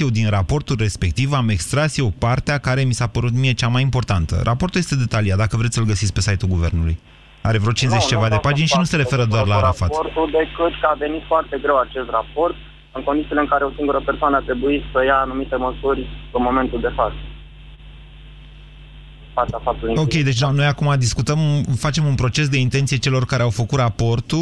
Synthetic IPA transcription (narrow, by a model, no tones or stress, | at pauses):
jewd̪inrapo̞rt̪ulʲre̞spe̞kt̪ivame̞kst̪ɾasijewpart̪eakaɾe̞misapəɾut̪mije̞t͡ʃamajimpo̞rt̪ant̪ə̰ɾʔapo̞rt̪ulje̞st̪e̞d̪e̞t̪aliat̪d̪akəvɾet̪sʲəlɡəsit̪sk̚ʲpe̞sajt̪ulɡuve̞rnuluj | aɾe̞vɾot͡ʃinzet͡ʃt͡ʃevad̪epad͡ʒinʃinuse̞ɾefe̞ɾəd̪oarlaɾafat̪ort̪uld̪e̞kɨt̪kəave̞nit̪foart̪e̞ɡɾe̞wat͡ʃe̞st̪rapo̞rt̪̚ | ɨŋkond̪it̪sileɨŋkaɾe̞osiŋɡuɾəpersoanəat̪ɾe̞buit̪səjaːnumit̪e̞məsuɾʲɨnmo̞me̞nt̪uld̪e̞fat̪sə | paafap̚t̪uliokʲe̞jd̪et͡ʃd̪ano̞jakumad̪iskut̪əmfat͡ʃe̞munpɾo̞t͡ʃe̞s̬d̪e̞int̪ent̪sijet͡ʃe̞lo̞rkaɾeawfəkut̪rapo̞rt̪u